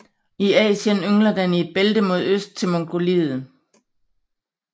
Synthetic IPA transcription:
iɛ̰ːɕənøŋlɐd̥ænie̝d̥̚b̥eld̥əmo̝ð̞ˠøsd̥̚t͡sʰe̝lmɒŋɡ̥o̝lið̩ˠ

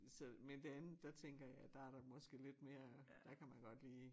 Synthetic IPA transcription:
sɒmend̥eænð̩ˠd̥æt͡sʰeŋ̰ɡ̥ɐjɑ̈ɪd̥æ̈æɐɾ̥ɑ̈mɒ̽sɡ̥e̝le̝d̥me̝ːɐd̥ækʰæmænɡ̥ɒ̽d̥liː

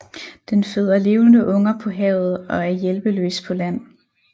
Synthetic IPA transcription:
d̥enføð̞̰ˠɐle̝ːʊnəʔɔ̽ŋɐpʰɒ̽ɦɛ̰ʊð̞̩ˠɒ̽æɐjelb̥əlø̰ːspʰɒ̽læn̰

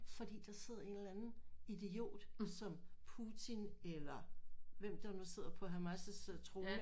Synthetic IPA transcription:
fɒ̽d̥ḭːd̥ɑ̈se̝ð̞̰ˠɐe̝nlænn̩id̥eo̝̰ːd̥sɒ̽mpʰut͡sʰinelɐʋem̰d̥ɑnuse̝ð̞̰ˠɐpʰɒ̽ɦæmæsəseð̰ˠɐt͡sʰʁo̝ːə

